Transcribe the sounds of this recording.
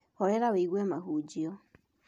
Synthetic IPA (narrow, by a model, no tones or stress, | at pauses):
hɔɾɛɾaβeiɣwemaɦud͡ʒiɔ